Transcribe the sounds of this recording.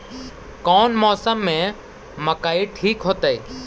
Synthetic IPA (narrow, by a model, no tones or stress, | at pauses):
kɔːnmɔːsəmːẽ | məkaːiʈʰiːkɦoːt̪əiː